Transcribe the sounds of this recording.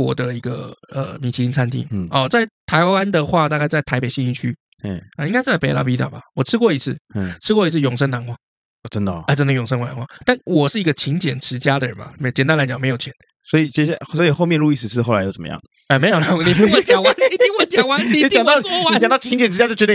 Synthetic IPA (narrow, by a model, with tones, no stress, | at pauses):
wɔ̰˨˩d̪ə˧i˧˥ɡə˧ə̰˩mi˨˩t͡ɕʰi˧˥i˧˥nt͡sʰa˥nt̪ʰḭ˥˩ŋɔ˨˩t͡sa˥˩ɪt̪ʰa˧˥ɪwa˦nd̪ə˨xwa˥˧t̪a˥˧ka˥˧ɪt͡sa˥ɪt̪ʰa˧ɪpe˨˩ɪɕi˥˧ŋi˥˧˩t͡ɕʰy˦˩ | ə˨i˥ŋka˥ɪʂɻ̩˥˧t͡sa˥˩pe˧˥ɪla̰˥pi˧˥t̪a̰˨˩ba˨˩wɔ˨˩ʈ͡ʂ̩ʰ˥kwɔ˥˩˨i˧˥t͡sʰɹ̩˥˩ʈ͡ʂʰɻ̩˥kwɔ˥˧i˧t͡s̩ʰ˥˩jʊ˨˩ŋʂə˥na˧˥nxwa˥˩˨ | ʈ͡ʂə˦nd̪ə˨ɛ˧˩ʈ͡ʂə˥nd̪ə˨jʊ˨˩ŋʂə˥nwna̰˧˦ŋwa˥˩t̪a˥˩nwɔ˨˩ʂɻ̩˥˩i˧˥ɡə˧t͡ɕʰi˧˥ŋt͡ɕjɛ˨˩nʈ͡ʂɻ̩˧˦˥t͡ɕja˥d̪ə˨ɻə̰˧˦nba̰˨me˧˥˨t͡ɕɛ˨˩nt̪a˥nla˧ɪt͡ɕɑ˨˩ŋme˧˥ɪjt͡ɕʰɛ˧˦n | swɔ˧˥i˨˩t͡ɕɛ˥˩˨sɔ˧˥i˨˩xo˥˧ʊmjɛ˥˧nɻu˥˧i˥˧sʂɻ̩˧ʂɻ̩˥˧xo˥˩la˧˦jo˧˥ə˩mə̰˦jɑ̰˥ŋd̪ə | ɛ˧˩me˧˥ɪjo˨˩na˨˥ni˨˩mi˥˦wə˥t͡ɕa˨˩a˥˦ni˨˩i˨˥wə˥˩nt͡ɕa˥˨˩wa˥˦ni˨˩˥t͡ɕɑ˨ŋd̪ɑ˥˨˥wi˨˥t͡ɕɑ˨ŋt̪ɑ˥˩t͡ɕʰi˧˥ŋt͡ɕjɛ˨nʈ͡ʂɻ̩˧˥t͡ɕa˥t͡ɕo˥˩t͡ɕɛ˧˥t̪